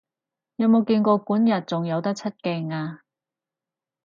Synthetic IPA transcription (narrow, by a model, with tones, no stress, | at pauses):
jɐ˨˧˥mo˨˧wkiː˧nkʷɔː˧kʷuː˨˥njɐ˨˩t̚t͡sʊ˨ŋjɐ˨˧wt̪ɐ˥k̚t͡sʰɐ˥t̚kɪ˨˧ŋaː˧